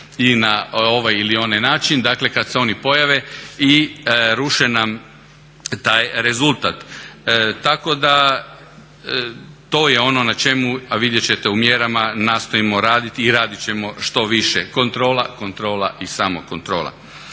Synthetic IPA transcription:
inao̞ʋajilio̞najnaːt͡ʃind̪akle̞kad̪seo̞nipo̞jaʋe̞iɾuʃenam | t̪aːjɾe̞zulˠt̪at̪ː | ako̞d̪a | t̪o̞ːjeo̞no̞nat͡ʃe̞muaʋid̪jet͡ɕe̞t̪e̞umjeɾamanaːst̪o̞imo̞ɾaːd̪it̪iːɾaːd̪it͡ɕemo̞ʃt̪o̞ʋiʃeko̞nt̪ɾo̞ːlako̞nt̪ɾo̞ːlaʔisamoko̞nt̪ɾo̞ːla̰

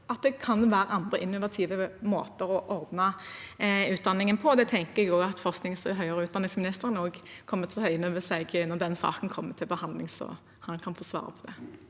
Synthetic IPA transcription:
ɑt̪̚d̪ɛkʰɑnʋæːɾəɑnd̪ʁəʔɪnːʊʋɑt̪ʰiːʋəmo̰ːt̪əɾɔʔɔʁd̪nɑ | ʉːt̪̚d̪ɑnːɪŋənpʰɔd̪ɛt̪ʰɛŋkəʁɛɡoːɡɑt̪fɔʁsknɪŋsɦœʏəʁəʉːt̪̚d̪ɑnɪŋsmnɪst̪əʁənoːɡkʰɔmːət̪ʰɪlhœʏənœʋəsɛɡnɔʁd̪ɛnsɑ̰ːkənkʰɔmːət̪ʰɪlbəhɑnd̪lɪŋsɔ̰ | hɑnkʰɑnfoːsʋɑ̰ːʁə̰pʰɔd̪ɛ

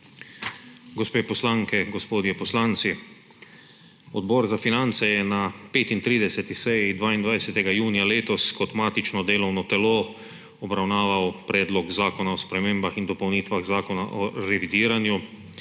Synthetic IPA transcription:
ɡɔspeːpɔslaŋkɛɡɔspoːd̪jɛpɔslaːnt̪si | ɔd̪bɔːɾzafinant̪sɛjɛnapeːt̪int̪ɾiːd̪ɛsɛt̪isɛjid̪ʋaːind̪ʋajsɛt̪ɛɡajuːnijaleːt̪ɔskɔt̪maːt̪it͡ʃnɔd̪eːlɔwnɔt̪ɛloː | ɔbɾawnaːʋawpɾɛːd̪lɔɡzaːkɔnaɔspɾɛmeːmbaxind̪ɔpɔwniːt̪ʋaɣzaːkɔnaʔɔɾɛʋid̪iːɾanju

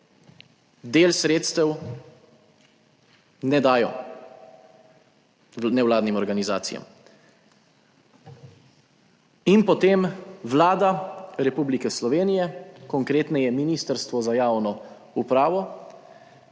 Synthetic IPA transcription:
d̪eːlsɾeːt̪st̪ɛw | nɛd̪aːjɔ | nɛwlaːd̪nimɔɾɡaniza̰ːt̪sija̰m | inpɔt̪eːmʋlaːd̪aɾɛpublikɛslɔʋeːnijɛkɔŋkɾeːt̪nɛjɛminist̪əɾst̪ʋɔzajaːwnɔ | upɾaːʋɔ

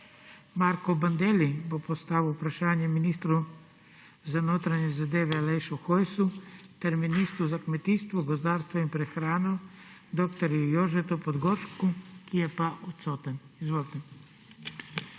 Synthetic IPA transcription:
maɾkɔband̪eːlibopost̪aːʋiupɾaʃaːnjɛminiːst̪ɾu | zanoːt̪ɾaɲɛzad̪eːʋɛalejʃɔxojsut̪ɛɾminist̪ɾuzakmɛt̪iːst̪ʋɔɡozd̪aːɾst̪ʋɔimpɾɛxɾaːnɔ | d̪okt̪ɔɾujoʒɛt̪ɔpɔd̪ɡoɾʃkukijɛpaʔut̪soːt̪ɛnizʋolt̪ɛn

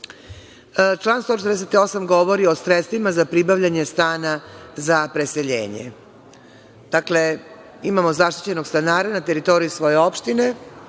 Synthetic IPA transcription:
t͡ʃlˠaːnst̪ot͡ʃet̪ɾd̪es̬et̪io̞samɡo̞ʋo̞ɾio̞sɾet̪st̪ʋimazapɾibaʋʎaɲe̞st̪aːnazapɾe̞se̞ʎḛːɲḛ | d̪̥akle̞ | imamo̞zaʃt̪i̥t͡ɕe̞no̞ɡst̪anaːɾanat̪e̞ɾit̪o̞ɾijusʋo̞je̞o̞pʃt̪ine̞

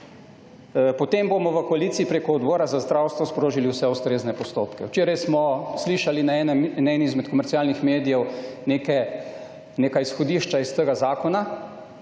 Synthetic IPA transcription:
pɔt̪embomɔʋəkɔaliːt̪siipɾekɔːd̪bɔːɾazazd̪ɾawst̪ʋɔspɾoːʒiliwsɛust̪ɾeːznɛpɔst̪oːpkɛwt͡ʃeːɾajsmɔsliːʃalinɛnnaɛniizmɛt̪kɔmɛɾt̪sialnixmeːd̪ijɛwnekɛ | neːkajisxɔd̪iːʃt͡ʃaist̪əɡazaːkɔna

